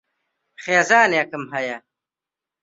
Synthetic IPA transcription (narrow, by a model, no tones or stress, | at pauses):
χeːzaːnjakɐmɦɐja